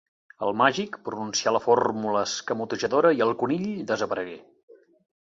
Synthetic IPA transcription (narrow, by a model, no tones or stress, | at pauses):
əlˠmaʒikpɾununsialəformuləskəmut̪uʒəðoɾəiəlˠkuniʎd̪əzəpəɾəɣe